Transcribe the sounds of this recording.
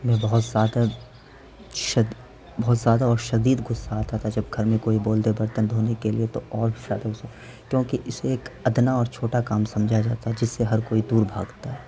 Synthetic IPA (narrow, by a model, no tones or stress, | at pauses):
mɛ̃ːbɐɦʊt̪zjaːd̪a | ʃɐd̪ | bɔɦʊt̪zjaːd̪aɔːɾʃɐd̪iːd̪ɡʊsːaɦat̪ʰat̪ʰad͡ʒɐb̚ɡʱɐɾmẽkoːiboːld̪ebɐɾt̪ənd̪ʱoːnekeliet̪oɔːɾbʱizaːd̪aɡʊsa | kjõːkiʔɪseeːkɐd̪naɔːɾt͡ʃʰoːʈakaːmsɐ̃md͡ʒʱad͡ʒaːt̪aɦɛd͡ʒɪsːeɦɐɾkoːid̪uːɾbʱa̰ːɡt̪aɦɛː